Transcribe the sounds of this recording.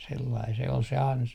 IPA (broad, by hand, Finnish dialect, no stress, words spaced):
selːɑi se ol se ɑnsɑ